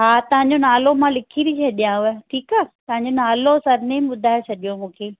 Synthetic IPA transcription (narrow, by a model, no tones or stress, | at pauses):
ɦaːt̪ɐʋ̤ãɲ̆d͡ʑonaːlomãlɪkʰiɾit͡ɕʰeɗijãueʈʰiːkaːt̪ɐʋãɲ̆d͡ʑonaːlosɐɾnẽmɓʊd̪ʱaːet͡ɕʰɐɗijomũːkʰeː